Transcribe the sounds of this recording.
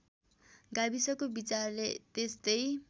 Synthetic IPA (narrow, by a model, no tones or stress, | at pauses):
ɡabisʌkobit͡sarlet̪est̪ʌj